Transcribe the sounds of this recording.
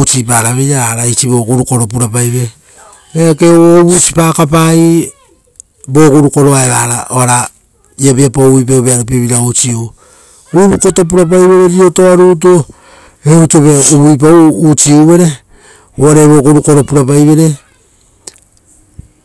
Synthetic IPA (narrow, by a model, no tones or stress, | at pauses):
ut͡ʃipaɾaβejɾaaɾait͡ʃiβo̞kuɾuko̞ɾop̬uɾapajβe̞ | eakeoːβut͡ʃi̥pakap̬ai | bo̞kuɾuko̞ɾo̞aeβaɾaoaɾa | iabiapaujp̬auβeaɾupiβiɾaut͡ʃio | ujβukotop̬uɾap̬ajβe̞ɾeɾiotoaɾut̬o | eutoβeuβujp̬awːt͡ʃioβe̞ɾe̞ | oaɾeβo̞kuɾuko̞ɾo̞puɾap̬ajβe̞ɾe̞